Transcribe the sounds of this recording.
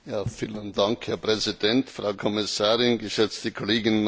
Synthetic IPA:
jaːfiːləndaŋkhɛɐpʁ̥ɛzidɛntfʁaʊkʰɔmɪsaːʁɪnɡəʃɛt͡stəkʰoleːɡɪnn

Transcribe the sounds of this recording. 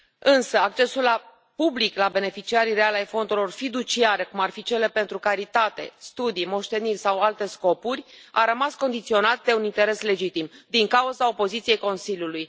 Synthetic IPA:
ɨnsəakt͡ʃe̞sulːa | publiklabe̞ne̞fit͡ʃiaɾiɾealajfo̞nd̪uɾlo̞rfid̪ut͡ʃiaɾe̞kumarfit͡ʃe̞le̞pe̞nt̪ɾukaɾit̪at̪e̞̰st̪ud̪imo̞ʃt̪e̞nirʲsawalt̪e̞sko̞purʲa̰ɾəmasko̞nd̪it̪sio̞nat̪̚d̪e̞unint̪e̞ɾe̞sle̞d͡ʒit̪imd̪iŋkauzao̞po̞zit̪sije̞jko̞nsilʲjuluj

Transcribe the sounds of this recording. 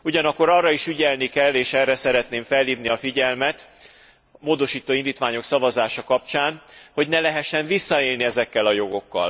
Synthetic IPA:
uɟɒnɒkːo̞ɾɒrːɒiʃyɟɛlnikɛlːeːʃɛrːɛsɛɾɛt̪neːɱfɛlːiːvniɒfiɟɛlmɛt̪ | moːd̪o̞ʃiːt̪oːind̪iːt̪ʋaːɲo̞ksɒvɒzaːʃɒkɒp̚t͡ʃaːnho̞ɟnɛlɛɦɛʃːɛɱvisːɒeːlniɛzɛkːɛlɒjo̞ɡo̞kːɒ̰l

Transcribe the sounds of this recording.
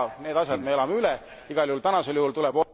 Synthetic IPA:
ne̞ːd̪̥ɑsjɑd̪meelɑmeylɛ | iɡ̥ɑljuhult̪ænɑse̞ljuhult̪ulɛb̥o

